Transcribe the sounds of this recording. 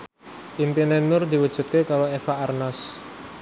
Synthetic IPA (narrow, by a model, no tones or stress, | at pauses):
ʔimp̪inenʊrd̪i̤wəd̥ʒ̥ṳt̪̚kekaɾoefaarnas